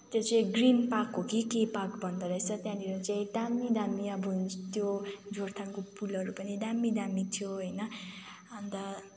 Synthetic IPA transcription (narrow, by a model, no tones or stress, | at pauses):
t̪jot͡saĩɡrinpakːokikejpakbʱʌnd̪ʌɾʌjt͡sʰʌt̪jãd̪iɾʌt͡saĩd̪amːid̪amijabʱunt̪jod͡zort̪ʰaŋkopulʌɾupʌnid̪amːid̪amit̪ʰjoɦʌjnʌ | ʌnt̪ʌ